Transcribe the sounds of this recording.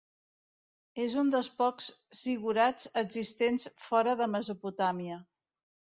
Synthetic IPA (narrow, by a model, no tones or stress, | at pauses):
ezund̪əlˠspɔkssiɣuɾat͡səɡzist̪ensfɔɾəðəməzuput̪amiə